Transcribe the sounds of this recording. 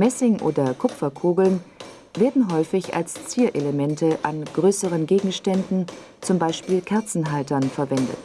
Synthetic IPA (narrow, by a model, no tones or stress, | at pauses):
mɛsɪŋʔo̰ːdɐkʰʊpfɐkʰuːɡl̩n | veːɐdn̩ɦɔʏfɪça̰lst͡siːɐʔeləmɛntəʔanɡ̥ʁøːsəʁənɡeːɡŋ̩ʃtɛndn̩ | t͡sʊmbaɪʃpiːlkʰɛɐt͡sn̩ɦaɪtɐnfɛɐvɛndə̰t